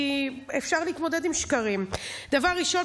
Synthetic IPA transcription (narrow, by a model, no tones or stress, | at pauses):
efʃaʁliːt̪mo̞dedimʃkaʁimd̥avaʁːiʃo̞